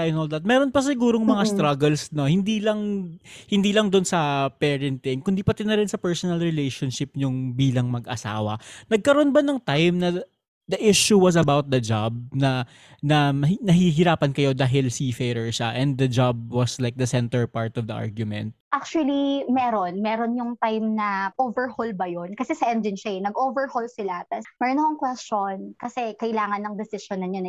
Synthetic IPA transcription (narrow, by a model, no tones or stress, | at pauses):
ajnoːlˠd̪ɐt̪̚mɛːɾonpɐs̬ɪɡuːɾoŋmɐŋast̪ɾɐɡɛlsno̞hɪnd̪iːlɐŋhɪnd̪iːlɐŋd̪ʊnsɐpɛːɹɛnt̪ɪnkʊnd̪iːpɐt̪ɛnɐɾɛnsɐpɛɹsɔnɐlɹɪlejʃonʃɪp̚ɲʊŋbiːlɐŋmɐɡʔɐ̰sa̰ːwɐ̰nɐɡ̚kɐɾonbɐnɐŋt̪ajmnɐ | d̪ɐʔɪʃuwɐs̬ɐbawt̪̚d̪ɐd͡ʒab̚nɐ | nɐmɐnɐɦiːɦɪɾaːpɐnkɐjo̞d̪aːɦɪlsifɛɾɛɹʃaʔɛ̃nd̪ːɐd͡ʒab̚wɔslaɪjk̚d̪ɐsɛnt̪ɛɹpaɹt̪ɔvd̪ɐʔa̰ɹɡjʊmɛ̰̃nt̪̚ʔak̚t͡ʃuwɐlimɛːɾonmɛːɾonjʊŋt̪ajmnɐʔoːvɛɹholbɐjonkɐsɛsɐʔɛnd͡ʒɪnʃejnɐɡʔoːvɛɹholsɪlat̪ɐmɐɾonɐɐŋkwɛst͡ʃonkɐsɛkɐʔɪlaːŋɐnːɐŋd̪ɛsɪʃonɐnjon